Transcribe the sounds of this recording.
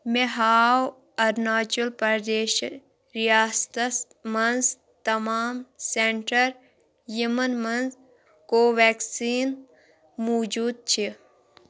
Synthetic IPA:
meɦaːw | ɐɾnaːt͡ʃulpɐɾd̪eːʃ | ɾijaːst̪ɐs | mɐnz | t̪ɐmaːmseɳʈəɾ | jimənmɐnz | koːʋeːksiːn | moːd͡ʒuːd̪̚t͡ʃʰi

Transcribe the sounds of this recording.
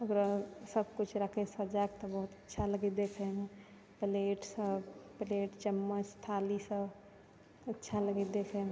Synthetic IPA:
əɡəɾsəb̚kut͡ʃʰɾəkʰesəd͡ʒak̚t̪ɔbəɦut̪ətːʃʰaləɡid̪ekʰəme | pleːʈsəbpleːʈt͡ʃəmːət͡ʃst̪ʰalisəb | ətːʃʰaləɡid̪ekʰem

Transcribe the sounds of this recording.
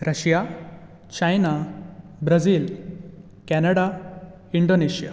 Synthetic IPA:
ɾəɕja | t͡ɕajna | bɾəd͡ziːl | kænəɽa | iɳɖoneɕja̰

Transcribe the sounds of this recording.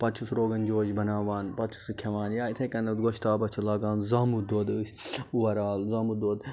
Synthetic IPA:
pɐt͡ʃʰusɾoːɡɐnd͡ʒoːd͡ʒbɐnaːʋaːnpɐt͡ʃʰu̥sɨkʲʰɐʋaːnjaːit̪ʰẽkɐnɐd̪ɡoʃt̪aːbɐt͡ʃʰɐlaːɡaːnzaːmud̪oːd̪ɨːsʲuʋɐɾaːlzaːmud̪oːd̪

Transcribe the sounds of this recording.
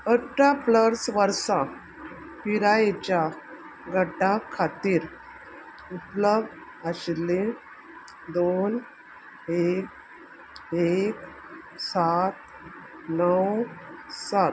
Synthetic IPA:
əʈapləɾsʋəɾsã | piɾaet͡ɕja | ɡʱəʈãkʰat̪iːɾ | upləb̚d̪ | əɕle | d̪on | ek̚ | ek | sat̪ | nəwsat̪

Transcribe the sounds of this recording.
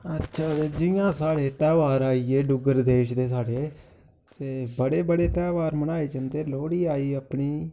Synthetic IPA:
ətːʃʰaːeːd͡ʒɪjãːsaːɽeːt̪ɛːʋaːɾaːiːeːɖʊɡəɾd̪eːʃd̪eːsaːɽeː | t̪eːbəɽeːbəɽeːt̪ɛːʋaːɾmənaːeːd͡ʒənd̪eːloːɽiːaːiːəpɳiː

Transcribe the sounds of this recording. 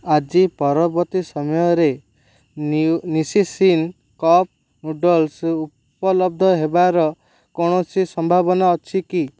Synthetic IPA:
ad͡ʒipɔɾɔbɔt̪isɔmɔjɔɾe | nisisin | kɔp̚ | muɖɔlsu | pɔlɔb̚d̪ʱɔɦebaɾɔ | kɔɽ̃ɔsisɔmbʱabɔnaɔt͡ʃʰiki

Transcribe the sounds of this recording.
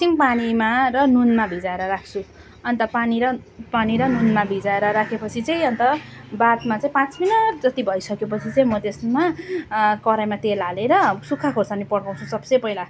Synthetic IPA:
simpanimaɾʌnunmabʱid͡zaeɾʌɾak̚ʰt͡sʰu | ʌnt̪ʌpaniɾʌpaniɾʌnunmabʱid͡zaeɾʌɾakʰepʌt͡sʰit͡sʌĩʌnt̪ʌbat̪mat͡sãĩpãt͡sminʌrd͡zʌt̪ibʱʌisʌkep̬ʌt͡sʰit͡sʌĩmʌd̪esma | kʌɾajmat̪elaleɾʌsukʰːakʰosanipʌɽpãw̃t͡sʰusʌbsʌjpʌila

